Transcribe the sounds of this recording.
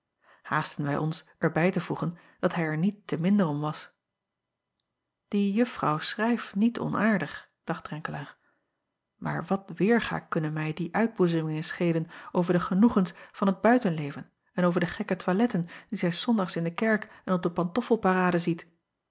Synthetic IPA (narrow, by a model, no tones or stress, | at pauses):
haːstənʋɛjʔɔnsʔɛɹbɛjtəvuχən | d̥ɑtɦɛjɛɹnitːəmɪndərɔmʋɑs | d̥ijɵfrɑ̰wsrɛjfnitʰɔ̰nʔaːɹdəχ | d̥ɑχt̚d̥ʁɛŋkəlaːʁ | ma̰ːɹʋɑtʋɪːɹχa̰ːkɵnənmɛjdiʔœɥd̚buzəmɪŋənsχejdənowvəɹdəχənuχənsvɑnɦəd̚bœɥtənlejvən | ɛnowvəɹdəχɛkətʋalɛtənd̥izɛjsɔndɑχsɪndəkɛɹkɛnɔb̚dəpɑntɔfəlˠparaːdəzit